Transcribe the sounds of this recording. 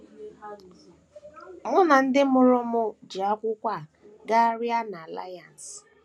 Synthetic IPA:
mʊ˦na˨n̩˦dɪ˦mʊ˦ɾʊ˦mʊ˦d͡ʒi˨a˦kʷʊ˦kʷa˦˨ | ɡa˦ɾja˦na˨a˨la̰˦ja˨n̩˨s

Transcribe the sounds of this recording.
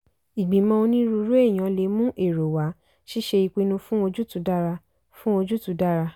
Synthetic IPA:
i˨ɡ͡bĩ˨mɔ̃˧o˧nĩ˦ɾu˧˦ɾu˦e˦˨j̃ã˨˦le˨˦mũ˦ʔe˦˨ɾo˨wa˨˦ | ʃi˦ʃe˧i˧k͡pi˧nũ˧fũ˦o˧d͡ʒu˦tu˦da˦ɾa˧ | fũ˦o˧d͡ʒu˦tu˨˦da˦ɾa˧

